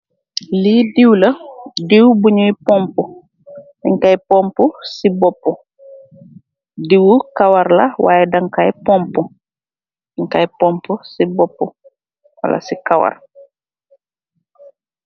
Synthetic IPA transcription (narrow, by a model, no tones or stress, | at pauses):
lidiwlɐdiwbuɲuipɔmpɔ | iŋkajpɔmpɔsibɔpːɔ | diwukawaɾlawa̰ːjɛdɐŋkajpɔmpɔ | iŋkajpɔmpɔsibɔpːɔ | wa̰la̰sikawa̰r